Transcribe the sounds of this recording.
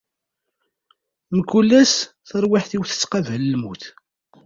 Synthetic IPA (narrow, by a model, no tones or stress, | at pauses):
mkulːæs | θəɾwɪħθiwθə̥t͡sːqɑvələlmuθ